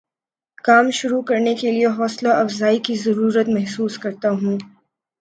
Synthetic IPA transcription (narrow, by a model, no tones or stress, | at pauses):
kaːmʃʊɾukɐɾnekelieɦɔːslaʔɐfzaːikizɐɾuːɾət̪mɐɦsuːskɐɾt̪aɦũː